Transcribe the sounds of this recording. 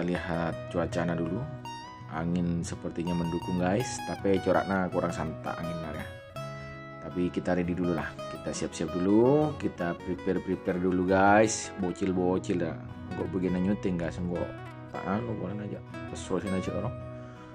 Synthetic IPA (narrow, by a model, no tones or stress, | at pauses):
aliɦat̪̚t͡ʃuat͡ʃanadulu | a̰ŋɪnsəpərt̪iɲaməndukʊŋɡaist̪apit͡ʃoɾa̰ʔnakuɾaŋsant̪a̰ʔa̰ŋɪnːaɾa | t̪apikit̪aɾididululahkit̪asiap̚siap̚dulukit̪apɾipɛrpɾipɛrduluɡaisbot͡ʃɪlbot͡ʃɪla | ŋɡɔʔbəɡinaɲut̪ɪŋɡaisŋɡɔʔ | t̪a̰ʔanɔbolanad͡ʒa̰ʔpəsosinat͡ʃiʔɾɔ